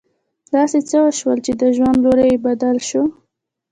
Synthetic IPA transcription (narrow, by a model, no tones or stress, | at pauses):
d̪̥ɑset͡səwəʃwəlt͡ʃed̪əʒwand̪loɾəjebad̪alʃo